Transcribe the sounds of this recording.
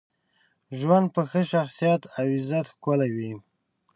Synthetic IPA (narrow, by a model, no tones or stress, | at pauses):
ʒwand̪̚pəxəʃaxsijat̪awɪzat̪xkalawi